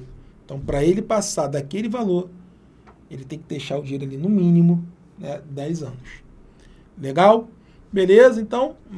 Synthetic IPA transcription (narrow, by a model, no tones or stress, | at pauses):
ẽt̪ɐ̃w̃pɾɐelɪpasad̪akelɪvaloɾ | elɪt̪ẽj̃kɪd̪ejʃaʊd͡ʒiejɾʊalinʊmĩnimʊ | nɛd̪ɛjzɐ̃nʊs | leɡaw | belezɐẽnt̪ɐ̃w̃